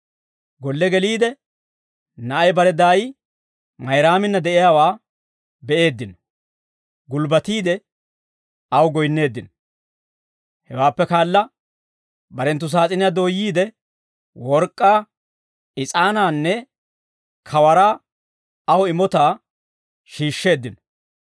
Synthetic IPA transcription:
ɡɔlːɛɡɛliːd̪ɛ | nɐʔɐjbɐɾɛd̪aːjɪ | mɐjɾaːmɪnːɐd̪ɛʔɪjaːwaː | bɛʔe̞ːd̪ːɪnɔ̥ | ɡʊlbɐt̪iːd̪ɛ | ɐwɡɔjnːe̞ːd̪ːɪnɔ̥ | hɛwaːpːɛkaːlːɐ | bɐɾɛnt̪ːʊs̬aːt͡sʼɪnɪjad̪oːjːiːd̪ɛ | wɔɾkʼːaː | ɪt͡sʼaːnaːnːɛ | kʰɐwɐɾaː | ɐwɪmɔt̪aː | ʃiːʃːe̞ːd̪ːɪnɔ̥

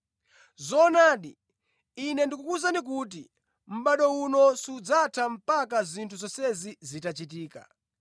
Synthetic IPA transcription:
zɔnaːɗi | inɛndikukuzanik̬ut̬i | m̩ɓaɗɔunɔsud͡zatʰam̩pak̬azintʰuzɔsɛzizitat͡ʃit̬iːka̰

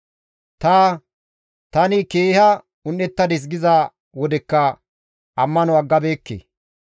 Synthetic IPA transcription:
t̪aː | t̪ɐnɪkeːhɐ | ʊnːɛt̪ːɐd̪ɪs̬ɡɪza | wɔd̪ɛkːɐ | ɐmːɐnɔɐɡːɐbeːkːḛ

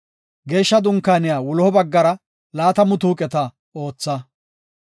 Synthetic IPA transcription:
ɡe̞ːʃːɐd̪ʊŋkːaːnɪjaːwʊlɔhɔbɐɡːɐɾɐ | laːt̪ɐmʊt̪uːkʼɛt̪ɐ | o̞ːt͡sːɐ

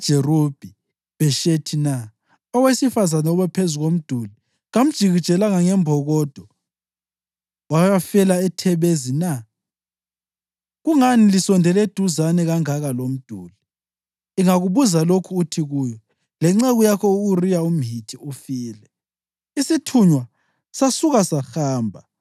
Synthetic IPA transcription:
ʒ̥ʱɛrob̥ʱi | βɛʃetʰina | ɔwesifazanuβɛpʰezuɣom̩d̥ʱuli | ɣam̩d̥ʒ̥ʱiɣi̥t͡ʃʼɛlaŋaŋɛmbʱɔɣɔd̥ʱɔ | wajafɛlaɛtʰɛβezina | ɣuŋanilisɔndʱɛlɛd̥ʱuzanɛɣaŋaɣalom̩d̥ʱuːli | iŋaɣuβuzalokʰuːtʰiɣuːjɔ | lɛŋ͡ǁɛɣujakʰɔuɣurijaum̩ɦitʰiufiːlɛ | isitʰuɲwa | sasuɣasaxaːmbʱa

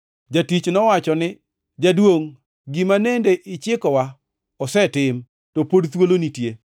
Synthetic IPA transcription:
d͡ʒatit͡ʃnɔwat͡ʃɔnɪ | d͡ʒadwoŋ | ɡimanendeʔɪt͡ʃɪkɔwa | ɔsɛtɪm | topodt̪wolonitje

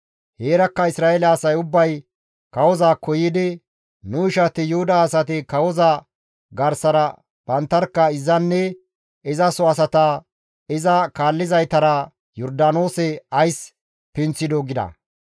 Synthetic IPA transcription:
heːɾɐkːɐɪsɾaːɛlɛːsɐjʊbːɐj | kɐwɔzaːkɔjɪd̪ɪ | nʊɪʃɐt̪ɪjʊhʊd̪aːsɐt̪ɪkɐwɔza | ɡɐɾsɐɾɐ | b̥ɐnt̪ːɐɾkːɐɪzːɐnːɛ | ɪzɐsɔɐs̬ɐt̪ɐ | ɪzɐkaːlːɪzɐjt̪ɐɾɐ | jɔɾd̪ano̞ːsɛɐjs | pɪnt͡sːɪd̪ɔɡɪd̪ɐ̰

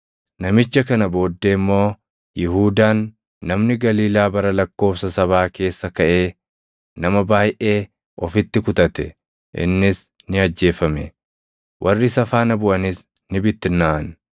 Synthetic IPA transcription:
nɐmɪt͡ʃːɐkɐnɐbo̞ːd̪ːeːmːo̞ː | jɪɦuːd̪aːnː | ɐmnɪɡɐliːlaːbɐɾɐlɐkːo̞ːfsɐsɐβaːke̞ːsːɐkɐʔe̞ː | nɐmɐbaːjʔe̞ː | ɔfɪt̪ːɪkʊt̪ɐt̪ɛ | ʔɪ̰nːɪs | nɪɐd͡ʒːe̞ːfɐmɛ̰ | wʔɐrːɪsɐfaːnɐbʊʔɐnɪs | nɪbɪt̪ːɪnːaʔɐn

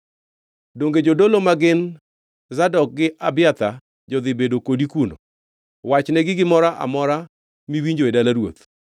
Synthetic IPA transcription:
doŋɡed͡ʒodolomaɡɪn | zadɔk̚ɡɪʔabɪjat̪a | d͡ʒɔd̪ɪbedokodikuno̰ | wat͡ʃnɛɡɪɡɪmɔɾaʔa̰mɔɾa | miwiɲd͡ʒoedalaɾwo̰t̪

